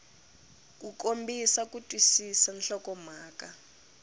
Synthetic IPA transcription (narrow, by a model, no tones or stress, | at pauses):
k̬ʼukʼombisakutʼwisisanɬɔkɔm̤aːkʼa